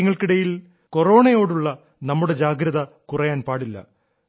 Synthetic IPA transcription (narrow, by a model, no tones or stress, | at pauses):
iŋːɐɭkiɽɐjil | ko̞ro̞ːɳɐjo̞ːɽuɭːɐ | nɐmːuɽe̞d͡ʑaːɡɾɐðɐ | kurɐjaːnpaːɽilːɐ̰